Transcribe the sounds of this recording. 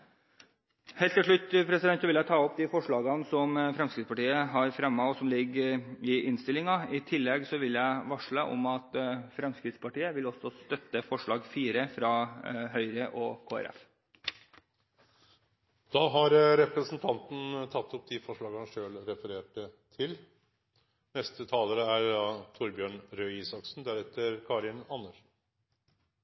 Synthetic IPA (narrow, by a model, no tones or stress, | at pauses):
heːlt̪ʰːɪlʂ̬ɭʉt̪ːpʰɾɛsɪd̪ɛnt̪sɔʋɪljæɪt̪ʰɑːɔp̚d̪ɪfɔʂɭɑːɡɑnsɔmfɾɛmskɾɪt̪spɑʈiːəɦɑɾfɾɛmːɑʋɔsɔmlɪɡːɪʔɪnst̪ɪlɪŋɑɪt̪ʰɪlːɛɡsɔʋɪlːjæɪʋɑʂɭəʔɔ̰mɑt̪fɾɑmskɾɪt̪spɑʈiːəʋɪlɔsːɔst̪œt̪ːəfɔʂɭɑːɡfiːɾəfɾɑːɦœʏɾəʔɔkʰoːæ̰ɾɛ̰f | d̪̥ɑːɦɑɾɾɛpɾəsnt̪ʰɑnt̪n̩t̪ʰɑt̪ːʊp̚d̪ifɔʂɭɑːɡɑnʂøːlɾɛfəɾeːʈət̪ʰɪl | nɛst̪ət̪ʰɑːləɾəæɾd̪ɑːt̪ʰʊɾbjøːɳɾøːiːsɑksn̩d̪æɾɛt̪ːəɾkʰɑɾɪnɑnəl